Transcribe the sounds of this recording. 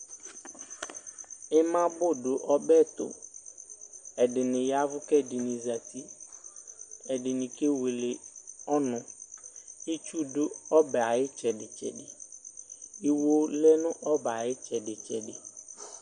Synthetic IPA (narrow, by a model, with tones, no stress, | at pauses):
ɪ˦mã˦bʊ˦ɖʊ˨ʔɔ˦bɛ˦˨t̪ʊ̰˨ | ɛ˨ɖɪ˨nɪ̃˨ja˦vʊ˦kɛ˦dɪ˨nĩ˨za˨t̪i˦ | ɛ˨dɪ˨nɪ̃˨ke˦we˨le˨ɔ˦nʊ̃˨ | i˦t͡ʃu˦dʊ˦ɔ˦bɛ˨a˨jɪ˦t͡ʃɛ˨ɖɪ˨t͡ʃɛ̰˨ɖɪ˨ | i˦wo˦lɛ˦nʊ̃˦ʔɔ˦ba˨jɪ˦t͡ʃɛ˨ɖɪ˨t͡ʃɛ˨ɖɪ˨